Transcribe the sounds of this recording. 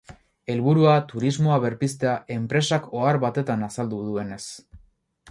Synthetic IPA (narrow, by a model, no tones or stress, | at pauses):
e̞lβuɾuat̪uɾizmo̞aβe̞ɾpis̬t̪eaʔe̞mpɾe̞sako̞aɾβat̪e̞t̪anasald̪uðue̞ne̞s